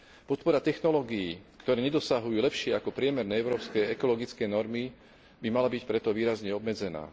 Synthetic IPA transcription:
pɔt̪̚pɔɾat̪ɛxnɔlɔːɡijiːkt̪ɔɾɛːɲɛd̪ɔsaɦujuːlɛpʃɪɛakɔpɾɪɛmɛɾnɛːɛʊɾɔːpskɛːɛkɔlɔɡit͡skɛːnɔɾmi | bimalabicpɾɛt̪ɔʋiːɾazɲɛɔbmɛd͡zɛna̰ː

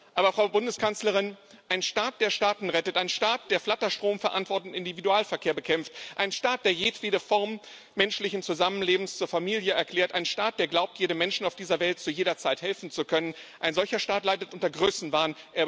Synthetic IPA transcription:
ʔaːbɐfʁ̥aʊbʊndəskʰansləʁ̞ɪn | ʔaɪnʃtaːt̚d̥eːɐʃtaːtn̩ʁɛtətʔaɪnʃtaːt̚d̥eːɐflatɐʃtʁ̥oːmfɛɐʔa̰ntv̥ɔɐtntɪndividuaːlfɛɐkʰeːɐbəkʰɛmftʔaɪnʃtaːt̚d̥eːɐjeːtv̥eːdəfɔɐmː | ɛnʃlɪçn̩t͡suzamənleːbm̩st͡suːɐfamiːljəɛɐkl̥ɛːɐtʔaɪnʃtaːt̚d̥eːɐɡlaʊp̚tʰjeːɾəmɛnʃn̩aʊfd̥iːzɐvɛlt̚t͡sujeːɾɐt͡saɪthɛlfn̩t͡sukʰœnənʔaɪnzɔlçɐʃtaːtlaɪdətʔʊntɐɡʁøːsn̩vaːnʔeːɐ

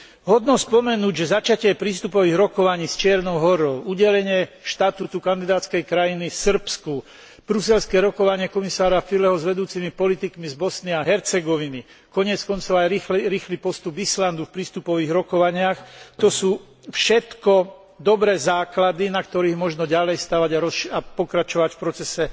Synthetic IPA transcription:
ɦɔd̪nɔspɔmɛnuːɟʒɛzat͡ʃacɪɛpɾiːst̪upɔʋiːɣɾɔkɔʋaɲiːst͡ʃɪɛɾnɔʊɦɔɾɔʊuɟɛlɛɲɪɛʃt̪at̪ut̪ukand̪id̪aːt̪t͡skɛjkɾajinisr̩psku | b̥ɾusɛlskɛɾɔkɔʋaɲɪɛkɔmisaːɾafilɛɦɔzʋɛd̪uːt͡simipɔlit̪ikmizbɔsniaɦɛɾt͡sɛɡɔʋini | kɔɲɪɛt͡skɔnt͡sɔʊajiɾiːxlipɔst̪ubisland̪ufpɾiːst̪upɔʋiːɣɾɔkɔʋaɲɪaxt̪ɔsuː | fʃɛt̪kɔ | d̪ɔbɾɛːzaːklad̪inak̚t̪ɔɾiːɣmɔʒnɔɟalɛjst̪aːʋaɟaɾɔʃapɔkɾat͡ʃɔʋacfpɾɔt͡sɛsɛ

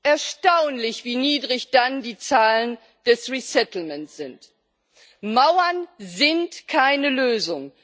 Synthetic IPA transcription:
ʔɛɐʃtaʊnlɪçv̥iːniːdʁɪçd̥andiːt͡saːlən | d̥ɛsʁisɛtl̩mɛnsz̥ɪnt | maʊɐnzɪntkʰaɪnəløːzʊŋ

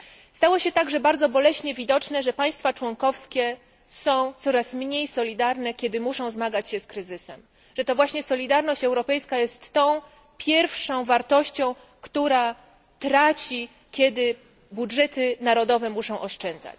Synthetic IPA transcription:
st̪awɔɕɛt̪aɡʐɛbaɾd̪zɔbɔlɛɕɲɛvʲid̪ɔt͡ʂnɛʐɛpaj̃st̪fat͡ʂwɔŋkɔfskʲɛ | sɔ̃w̃t̪sɔɾasmɲejsɔlʲid̪aɾnɛkʲɛd̪ɘmuʂɔ̃w̃zmaɡat͡ɕɕɛskɾɘzɘsɛ̰m | ʐɛt̪ɔvwaɕɲɛsɔlʲid̪aɾnɔɕt͡ɕɛwɾɔpɛjskajɛst̪ːɔ̃w̃ | pʲʰjɛɾfʂɔ̃w̃vaɾt̪ɔɕt͡ɕɔ̃w̃ | kt̪uɾa | t̪ɾat͡ɕi | kʲjɛd̪ɘ | budʐɛt̪ɘnaɾɔd̪ɔvɛmuʂɔ̃w̃ʔɔʂt͡ʂɛnd̪za̰t͡ɕ

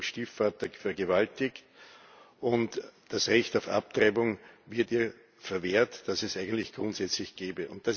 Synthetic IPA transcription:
mʃtiːfːaːtəfɛɐɡəvaltɪkt | ʔʊntd̥asʁɛçtaʊfa̰p̚tʁaɪbʊŋvɪɐtiːɐ | fɛɐveːɐtd̥asɛsæɪɡən̩tlɪçɡ̥ʁʊ̃ntsɛt͡slɪçɡ̥eːbəʊnt̚d̥as

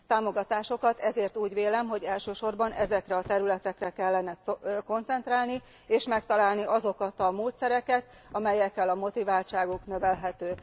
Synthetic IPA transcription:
t̪aːmo̞ɡɒt̪aːʃo̞kɒt̪ɛzeːrt̪uːɟʋeːlɛmɦo̞ɟɛlʃøːʃo̞rbɒnʔɛzɛkrɛɒt̪ɛɾylɛt̪ɛkrɛkɛlːɛnɛko̞nt̪sɛnt̪raːlni | eːʃmɛkt̪ɒlaːlniʔɒzo̞kɒt̪ɒmoːt̪sɛɾɛkɛt̪ | ɒmɛjɛkːɛlɒmo̞t̪ivaːlt͡ʃaːɡuknø̞vɛlɦɛt̪øː

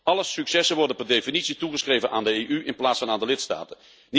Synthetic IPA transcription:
ɑləsyksɛsənʋɔrdənpɛrdejfinitsituχəsχrejvənʔaːndəejʔyɪnplaːtsfɑnaːndəlɪtsta̰ːtə | n

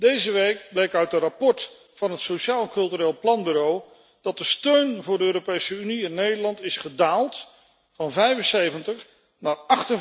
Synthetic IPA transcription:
d̥ejzəʋejk̚blejkœɥt̚dərapɔɹt | fɑnɦətsoʃaːlˠɛnkɵlˠtyreːlˠplɑnbyɾow | d̥ɑt̚dəstøɥnvʊːɹdəøːropejsəyniɪnːejdəlɑntɪsχədaːlˠt | fɑnvɛjvənsejvəntəχ | naːɹɑχtən

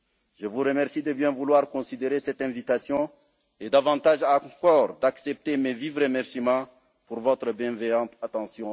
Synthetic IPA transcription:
ʒəvuʁəmɛʁsid̪əbjɛ̃vulwaʁkɔ̃sid̪eʁesɛt̪ɛ̃vit̪asjɔ̃ | ed̪avɑ̃t̪aʒãkɔːʁd̪aksɛp̚t̪emevivʁəmɛʁsimɑ̃ | puʁvɔt̪ɾəbjɛ̃vɛjɑ̃t̪at̪ɑ̃sjɔ̃

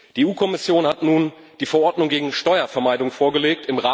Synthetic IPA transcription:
d̥iːeuːkʰɔmɪsjoːnhatnuːn | d̥iːfɛɐʔɔɐdnʊŋɡeːɡŋ̩ʃtɔʏɐfɛɐmaɪdʊŋfoːɐɡəleːk̚tɪmʁaː

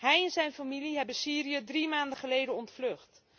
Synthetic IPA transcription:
ɦɛjɛnzɛjnfamiliɦɛbəsiːɾiədrimaːndəχəlejdənɔntflɵχt

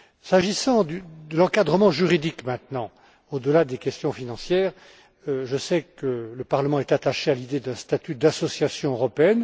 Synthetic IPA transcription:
saʒisɑ̃d̪yd̪əlɑ̃kad̪ʁəmɑ̃ʒyʁid̪ikmɛ̃t̪nɑ̃ | od̪əlad̪ekʲɛst̪jɔ̃finɑ̃sjɛːʁ | ʒəsɛkələpaʁləmɑ̃ɛt̪at̪aʃealid̪ed̪ɛ̃st̪at̪yd̪asɔsjasjɔ̃øʁɔpeɛn

